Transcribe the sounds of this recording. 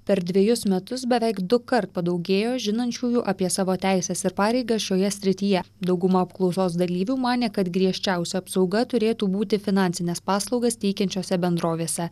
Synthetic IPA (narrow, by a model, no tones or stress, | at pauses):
pʲɛɾd̪ʲʋʲiɛjʊsmʲɛt̪ʊsbʲɛʋʲɛɪkd̪ʊkɐɾt̪̚pɐd̪ɒʊɡʲeːjoːʒʲɪnɐnʲt͡ʃʲuːjuːʔɐpʲiɛsɑːʋoːt̪ʲæˑɪsʲɛːsɪɾpɑːɾʲɛɪɡɐsʃʲoːjɛsʲɾʲɪt̪ʲiːjɛ | d̪ɒʊɡʊmɐɐpklˠɒʊsoːsd̪ɐlʲiːʋʲuːmɑːnʲeːkɐt̪ɡɾʲiɛʃʲt͡ʃʲæˑʊsʲɛɐpsɒʊɡɐt̪ʊɾʲeːt̪uːbuːt̪ʲɪfʲɪnɑnʲsʲɪnʲɛspɑːslˠɒʊɡɐst̪ʲɛɪkʲɛnʲt͡ʃʲoːsʲɛbʲɛnd̪ɾoːʋʲeːsʲɛ